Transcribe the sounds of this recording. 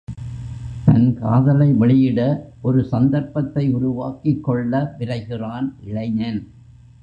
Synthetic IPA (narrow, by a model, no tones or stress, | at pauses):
t̪ɐnka̰ːðɐlɐɪʋɐɭɪjɪɽɐʔɔɾɯsɐnd̪ɐɾpːɐt̪ːɐɪʊɾʊʋaːkɪkːɔɭːɐʋɪɾɐɪɣɪraːnʔɪɻɐɪɲɐn